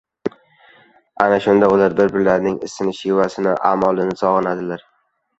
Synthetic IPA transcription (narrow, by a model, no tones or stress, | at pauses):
anaʃʊnd̪aʊlaɾbɪɾbɪɾlaɾnɪŋɪsɪnɪʃɪvasɪnɪʔa̰mɒlˠɪnɪsɒʁɨnad̪ɪlaɾ